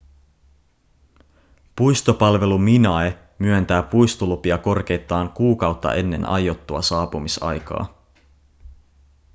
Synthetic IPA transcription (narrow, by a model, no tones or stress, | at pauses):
pujst̪opɑlʋe̞luminɑe | myønt̪æːpujst̪ulupiɑko̞rk̟e̞jt̪ːˑɑːŋkuːkɑwt̪ːɑ̰ʔe̞nːe̞̰nɑ̰jot̪ːuɑ̰sɑːpumisɑ̰jkɑ̰ː